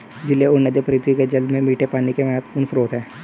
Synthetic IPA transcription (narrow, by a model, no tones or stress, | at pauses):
d͡ʒɪlːeʊnəd̪jəpʰɾiːt̪ʰwiked͡ʒɐld̪mẽmiːʈʰepaːnikemɛːt̪ʰpuːnsɾoːt̪ɦɛː